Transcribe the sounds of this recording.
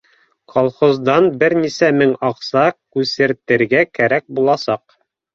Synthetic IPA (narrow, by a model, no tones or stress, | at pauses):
kʰolˠχozd̪ɑnbɘɾnisæmɘŋɑqsɑkʉsɘ̆ɾt̪ɘ̆ɾɡækæɾæk̚bulˠɑsɑq̚